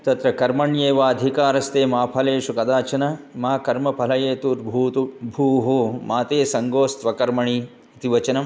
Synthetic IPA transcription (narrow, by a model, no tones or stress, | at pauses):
t̪ɐt̪ɾɐkɐɾmɐɳjeːʋaːɐd̪ʱikaːɾɐst̪eːmaːpʰɐleːʃukɐd̪aːt͡ʃɐnɐmaːkɐɾmɐpʰɐlɐjeːt̪uɾbʱuːt̪ubʱuːɦomaːt̪eːsɐŋɡoːst̪ʋɐkɐɾmɐɳiː | t̪iʋɐt͡ʃɐnɐm